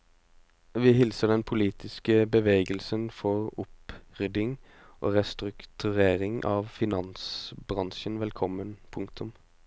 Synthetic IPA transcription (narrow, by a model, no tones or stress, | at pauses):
ʋiːɦɪlsəd̪ɛnpʰʊliːt̪ʰɪskəbəʋeːɡəlsənfɔʁʊpʁʏd̪ɪŋ | ʔo̰ːʁɛst̪ɾʉkt̪ʰʉʁeːʁɪŋʔɑːʋfɪnɑnsbɾɑŋʃənʋɛlkʰɔmːənpʰʊŋkt̪ʊm